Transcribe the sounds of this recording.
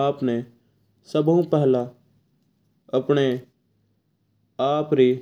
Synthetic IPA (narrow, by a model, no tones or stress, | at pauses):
aːpne | səbũpɛɦla | əpɳe | aːpɾi